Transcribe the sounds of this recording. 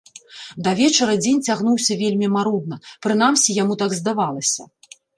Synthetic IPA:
d̪ɐvʲɛt͡ʂɐɾɐd͡zʲenʲt͡sʲaɣnuwsʲɐvʲelʲmʲimaɾud̪̚nɐpɾɨn̪amsʲijamut̪aɡzd̪avalˠɐsʲɐ̰

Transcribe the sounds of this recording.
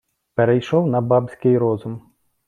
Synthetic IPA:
peɾejʃɔwnɐbɑbsʲkɪjɾɔzʊm

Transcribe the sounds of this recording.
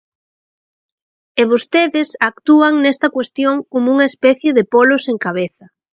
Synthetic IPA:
eβost̪eðɪsak̚t̪uɐŋnɛst̪ɐkwest̪joŋkomʊuŋɐespɛθjeðɪpoloseŋkaβeθɐ

